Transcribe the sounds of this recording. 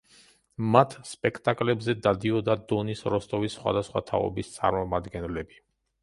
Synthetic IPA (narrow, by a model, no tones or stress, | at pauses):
mat̪ʰspʼɛkʰt̪ʼakʼlɛbzɛd̪ad̪iɔd̪ad̪ɔnisɾɔst̪ʼɔvisːχwa̰d̪asχwa̰t̪ʰa̰ɔ̰bist̪sʼa̰ɾmɔmad̪ɡɛnlɛbi